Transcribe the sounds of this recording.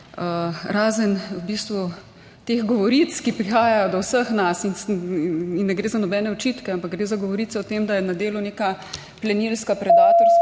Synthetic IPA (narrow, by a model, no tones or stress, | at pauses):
əɾaːzənwbist̪ʋu | t̪exɡɔʋɔɾit̪skipɾixaːjajɔd̪ɔwsəxnasin | inːɛɡɾeːzanɔbɛːnɛɔt͡ʃit̪kɛampakɡɾeːzaɡɔʋɔɾiːt̪sɛɔt̪emd̪ajɛnad̪eːluneka | plɛnilskapɾɛd̪aːt̪ɔɾs